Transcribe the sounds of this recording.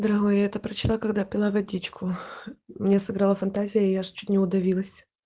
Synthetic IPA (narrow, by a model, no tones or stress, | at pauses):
d̪əɾɐɣojɛt̪əpɾət͡ɕɪlˠakɐɡd̪apʲɪlˠavɐdʲit͡ɕkʰʊ | mnʲesɨɡɾalˠəfɐnt̪azʲɪjəɪjaʐt͡ɕut̪̚ʲnʲɪʊd̪ɐvʲilˠəsʲ